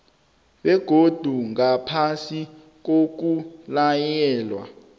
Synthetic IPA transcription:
ɓɛɡ̥ʱod̥ʱuŋapʰasi | k̬ok̬ulajɛːlwa̰

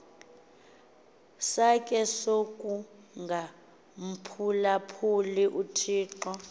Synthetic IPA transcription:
sakʼɛsokʼu | ŋɡʱa | m̩pʰulapʰuliʔutʰiːǃɔ

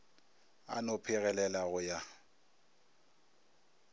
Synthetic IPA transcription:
a̰nɔpʰɪɣɛlɛlaɣʊja

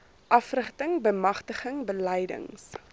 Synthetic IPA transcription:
ʔɐfrəχtəŋbəmɐχtəχəŋbəlɛjdə̰ŋs

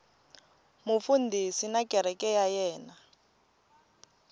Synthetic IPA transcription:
mufundʱisinakʼɛɾ̤ɛkʼɛjajɛːna

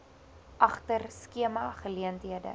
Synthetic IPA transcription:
ʔɐχtərskiəmɐχəliəntɦiədə̰

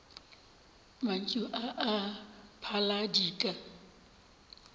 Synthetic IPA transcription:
man̩t͡ʃʼʊʔaʔːpʰaladiːkʼa

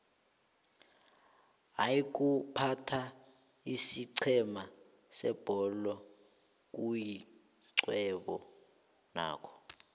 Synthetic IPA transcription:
ajik̬ʼupʰatʰa | isiǀʰɛma | sɛb̥ʱɔlɔ | k̬ʼuji | ǀwɛɓɔ | na̰ːkʰɔ̥

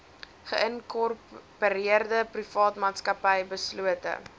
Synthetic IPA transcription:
χəʔənkɔrppəɾiərdəprifɑːtmɑːtskɐpɐjbəsluətə̰

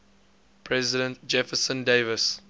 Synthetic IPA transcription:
pʰɹɛzɪdə̃nt̚d͡ʒɛfəsə̃ndevəs

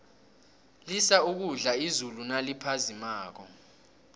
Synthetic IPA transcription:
lisauk̬uɮaizulunalipʰazimaːk̬ɔ̰

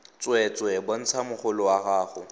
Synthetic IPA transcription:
t͡sʼwɛt͡sʼwɛbon̩t͡sʰamʊχʊlʊwaɣaːχʊ

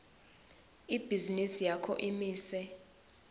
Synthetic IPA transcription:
ib̥ʱizinisijakʰɔ̰ʔimiːsɛ

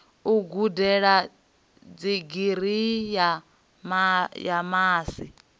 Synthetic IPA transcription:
uɡudɛɺa | d͡ziɡiɾ̤ija | majamaːsi

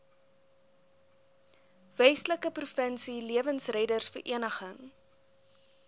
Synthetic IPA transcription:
vɛjsləkəprufənsiliəvənsrɛjdərsfərʔiənəχəŋ

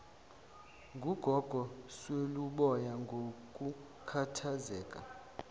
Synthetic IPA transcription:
ŋɡʱuɡ̥ʱɔɡ̥ʱɔsweluɓɔjaŋɡʱok̬ʼu | kʰatʰazɛːkʼa̰

